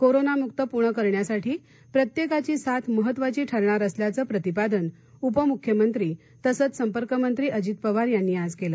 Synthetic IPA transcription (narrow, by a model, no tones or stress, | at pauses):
koɾonamukt̪əpuɾɳəkəɾɳjasaʈʰiː | pɾət̪jekat͡ɕiːsat̪ʰməɦət̪ːʋat͡ɕiːʈʰəɾɳaɾəsljat͡səːpɾət̪ipad̪ən | upəmukʰːjəmənt̪ɾiː | t̪əsət͡ssəmpəɾkəmənt̪ɾiːəd͡ʑit̪̚pəʋaɾjanːiːad͡zkelə